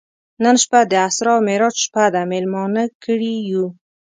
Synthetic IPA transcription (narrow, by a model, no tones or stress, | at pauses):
nənʃpad̪əasɾɑmeɾɑt͡ʃʃpad̪amelmɑnəkəɽiju